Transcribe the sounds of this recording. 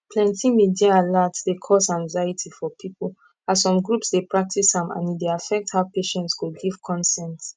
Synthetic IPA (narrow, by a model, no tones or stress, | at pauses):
pʰlɛ̃ntʰimidiaːlatsdekʰɔsãŋzajitʰifɔpʰipəl̩ | azsɔ̃mɡɹupsdepɹak̚tisãmã̰nideafɛk̚thaʊpeʃɛ̃ntskudɡiv̥kʰɔ̃nsɛ̃nt